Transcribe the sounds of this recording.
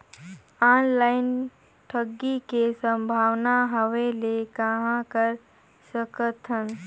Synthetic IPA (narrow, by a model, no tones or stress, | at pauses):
aːnlaːɪn | ʈʰəɡːikesə̃mbʱaːwnaɦəʋelekəɦãkəɾ | səkət̪ɦən